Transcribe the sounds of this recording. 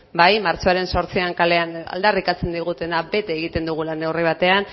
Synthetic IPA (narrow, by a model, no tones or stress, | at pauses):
bajmaɾt͡soaɾe̞nso̞ɾt͡siaŋkale̞ana̰ld̪arikat͡se̞nd̪iɣ̞ut̪e̞nabe̞t̪eːɣ̞it̪e̞nd̪uɣ̞ulane̞wriβ̞at̪e̞an